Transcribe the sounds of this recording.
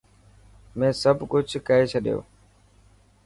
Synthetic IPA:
mẽːsəbkʊt͡ʃʰkəɦeːt͡ʃʰəɗjo̰ː

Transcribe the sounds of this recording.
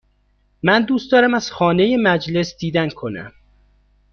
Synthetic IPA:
mænd̪uːst̪d̪ɒːɾæmæz̥xɒːne̞jemæd͡ʒle̞sd̪iːd̪ænkʰo̞næ̰m

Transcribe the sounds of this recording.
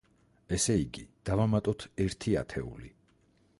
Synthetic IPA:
ɛsɛiɡid̪̥avamat̪ʼɔt̪ʰɛɾt̪ʰia̰t̪ʰɛṵli

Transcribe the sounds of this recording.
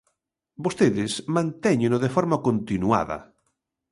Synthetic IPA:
bost̪eðɪsmãnt̪ɛɲẽnoðefɔɾmakont̪inua̰ðɐ̰

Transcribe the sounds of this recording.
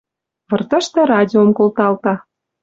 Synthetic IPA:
βɤ̆rt̪ɤ̆ʃt̪ɤ̆rɑdʲiomkolt̪ɑlt̪ɑ

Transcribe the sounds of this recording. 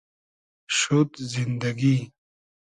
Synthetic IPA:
ʃut̪zind̪ɐɡi

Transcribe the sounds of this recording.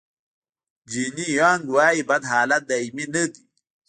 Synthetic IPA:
d͡ʒinijaːŋɡwaːibad̪ɦaːlat̪̚d̪aiminəki

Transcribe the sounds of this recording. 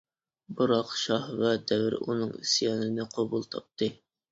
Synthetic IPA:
bɨɾɑqʃɑhvæd̪ɛvɾṵnɨŋisjɑnɪnɪqʰɑbulˠt̪ʰɑp̚t̪ʰɨ

